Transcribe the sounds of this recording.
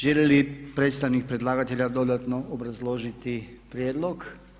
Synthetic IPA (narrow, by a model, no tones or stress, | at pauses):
ʒeljelipɾet̪st̪aʋnik̚pɾed̪lˠaːɡat̪eʎad̪o̞d̪at̪noʔobɾazlˠo̞ʒit̪ipɾjeːd̪lo̞ɡ